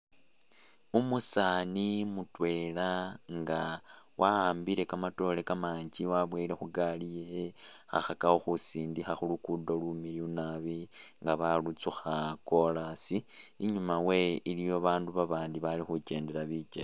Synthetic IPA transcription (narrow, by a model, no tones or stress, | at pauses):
umusanimutwe̞ːlaŋɡawaaːmbiɾe̞kamato̞le̞kamaːɲɟiwaβweːile̞xuɡalije | xa̰xakahoxusiːndixaxulukudolumiliunaβiŋɡaβalut͡suxako̞lasiːɲumawe̞ilijo̞βaːnduβaβaːndiβalixuce̞ːnde̞ɾaβit͡ʃe